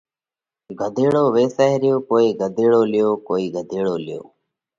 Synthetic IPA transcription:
ɡʱəd̪ʱeːɽoːʋeːsəɦɾɪjoːkoːiːɡʱəd̪ʱeːɽoːlɪjoːkoːiːɡʱəd̪ʱeːɽoːlɪjo̰ː

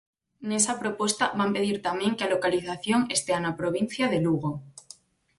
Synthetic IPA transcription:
ne̞sapɾo̞pwe̞st̪aβampe̞ðiɾt̪amjẽ̞ŋkealokaliθaθjo̞ŋe̞st̪eanapɾo̞β̞in̟θjaðeluɣ̞o

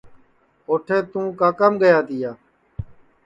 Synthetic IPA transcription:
oːʈʰeːt̪ũːkaːkəmɡəjaːt̪ɪjaː

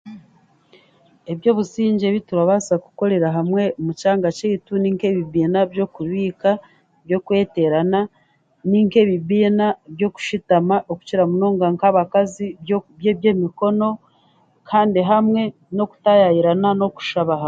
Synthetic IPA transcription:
e̞βjo̞ːβusiːɲɟe̞βituɾaβasaku̥ko̞ɾe̞ɾaɦamwe̞mucaːŋɡacetuniŋke̞βiβiːnabjo̞kuɾwiːka | βjo̞kwe̞ːte̞ɾana | niŋke̞βibiːnabjo̞ku̥ʃitamaʔoku̥ciɾamuno̞ːŋɡaŋkaβakazijeβjemiko̞no̞ | kʰaːndiɦamŋe̞ | no̞ku̥tajajiɾanano̞ku̥ʃaβaɦa

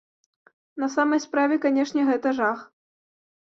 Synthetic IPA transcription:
nɐsamɐjspɾavʲɛkanʲɛʂnʲɛɣɛt̪ɐʐax

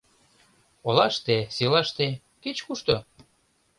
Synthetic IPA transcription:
olɑʃt̪esilɑʃt̪e | ket͡ɕkuʃt̪o

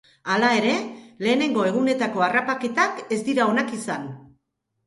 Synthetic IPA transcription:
alae̞ɾe̞le̞ːne̞ŋɡo̞e̞ɣ̞une̞t̪ako̞arapake̞t̪ake̞zd̪iɾao̞nakisan

